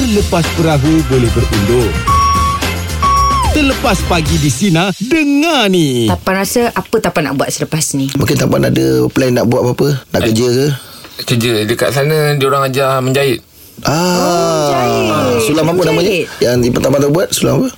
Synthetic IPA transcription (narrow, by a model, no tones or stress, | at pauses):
ələpaspəɾaɦubolɛhbəɾundʊŋ | t̪ələpaspaɡidisinadəŋãnit̪apanɾasəʔapət̪apana̰ʔbuat̪̚sələpasnimũŋkɪnt̪ampanadəplanːaʔbuwat̪̚apaapəna̰ʔkkəd͡ʒəkə | kəd͡ʒədəka̰ʔsanə̃dioɾaŋad͡ʒahməɲd͡ʒaɪt̪̚ | ʔa | sulamapənamaɲəjaŋdipət̪apat̪əbuat̪̚sulamapə